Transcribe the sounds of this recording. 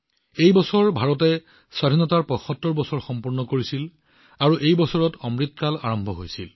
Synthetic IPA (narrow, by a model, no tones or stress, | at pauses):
ejbɔsɔɹbʱaɹɔtɛ | swadʱinɔtaɹpɔxɔtːɔɹbɔsɔɹxɔmpuɹnɔkoɹisil | aɹuʔejbɔsɔɹɔtɔmɹitkala̰ɹɔmbʱɔɦojsḭl